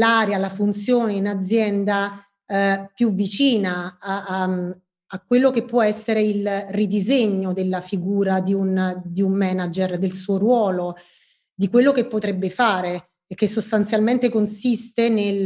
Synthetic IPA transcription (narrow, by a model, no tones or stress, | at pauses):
laːɾjalafunt̪sjoːneinad̪zjɛnd̪a | pjuvːit͡ʃiːnaa | kːwelːokepːwɔɛsːeɾeilrid̪izeɲːod̪elːafiɡuːɾad̪iund̪iummɛːnad͡ʒerd̪elsuːoɾwɔːlo | d̪ikwelːokepːot̪ɾɛbːefaːɾeː | kːesːost̪ant̪sjalment̪ekonsist̪enel